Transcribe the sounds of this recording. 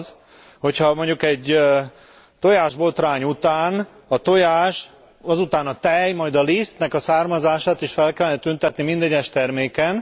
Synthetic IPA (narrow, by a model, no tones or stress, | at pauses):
z | ho̞cʰhɒmo̞ɲɟukɛɟ | t̪o̞jaːʒbo̞t̪raːɲut̪aːn | ɒt̪o̞jaːʃ | ɒzut̪aːnɒt̪ɛjmɒjd̪ɒlist̪nɛkɒsaːrmɒzaːʃaːt̪iʃfɛlkɛlːɛnɛt̪ynt̪ɛt̪nimind̪ɛɟɛʃt̪ɛrmeːkɛn